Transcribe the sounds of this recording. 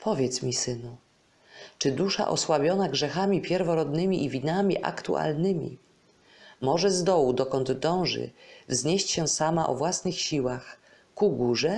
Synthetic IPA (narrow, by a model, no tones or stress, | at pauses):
pʰɔvʲjɛt̪smʲisɘnu | t͡ʂɘd̪uʂa̰ʔɔ̰swabʲjɔnaɡʐɛxamʲipʲjɛɾvɔɾɔd̪nɘmʲiʔivʲinamʲiʔa̰kt̪ṵa̰lnɘmʲḭ | mɔʐɛzd̪ɔwud̪ɔkɔnd̪d̪ɔ̃w̃ʐɘ̰vzɲeɕt͡ɕɕɛsamaʔɔ̰vwasnɘxɕiwax | kuɡuʐɛ